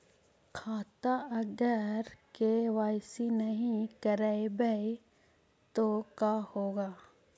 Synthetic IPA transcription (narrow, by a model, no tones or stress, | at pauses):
kʰaːt̪aɐɡəɾkeʋaːjsinəɦĩkəɾaebəe | t̪okahoːɡaː